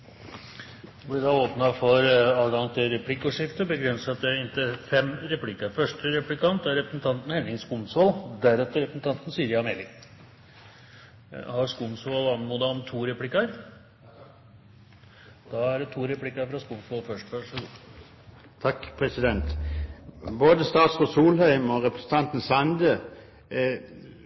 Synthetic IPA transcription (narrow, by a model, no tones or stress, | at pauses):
blɪɖɑoːpnɑfɔɾɑːʋɡɑŋt̪ʰɪlɾɛpʰlɪkːuʂɪft̪əbəɡɾɛnsɑt̪̚d̪ɛɪnt̪əfɛmɾɛpʰlɪkːəɾfœʂʈəɾɛplɪkʰɑnt̪æɾɛpɾəsn̩t̪ʰɑnt̪n̩hɛnɪŋskʊmsʋold̪æɾɛt̪ːəɾɛpɾəsn̩t̪ʰɑnt̪n̩siːəɾjɑmeːlɪ | hɑɾskʊmsʋɔlɑnmuːd̪ɑɔmt̪ʰuːɾɛpʰlɪkːəɾ | d̪̥ɑæɖɛt̪ʰuːɾɛpʰlɪkːɑɾfɾɑskʊmsʋɔlfœʂʈʋæʂɔɡuː | t̪ʰɑkːpʰɾɛsɪd̪ɛnt̪ | boːd̪əst̪ɑːt̪sɔsuːlhœʏmɔɾɛpɾəsn̩t̪ʰɑnt̪n̩sɑnd̪ə